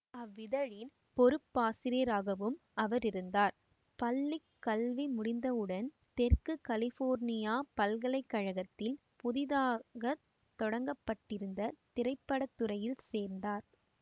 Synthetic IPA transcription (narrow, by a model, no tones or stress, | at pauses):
ɐʋːɪðɐɻɪn | pɔɾɯpːaːsɪɾiɾaːɣɐʋɯm | ɐʋɐɾɪɾɯnd̪aːɾ | pɐlːɪkːɐlʋimʊɽɪnd̪ɐɯɽɐn | t̪ɛɾkɯkɐlɪfoːɾnɪjaːpɐlɣɐlɐɪkːɐɻɐɣɐt̪ːɪl | pʊðɪðaːɣɐ | t̪ɔɽɐŋɡɐpːɐʈːɪɾɯnd̪ɐt̪ɪɾɐɪpːɐɽɐt̪ːɯɾɐjɪlseːɾnd̪aːɾ